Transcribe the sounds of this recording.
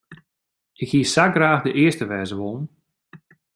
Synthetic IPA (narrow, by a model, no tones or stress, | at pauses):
ɪkhiəsaɡraːxdəʔɪəstəʋɛːzəʋolˠn̩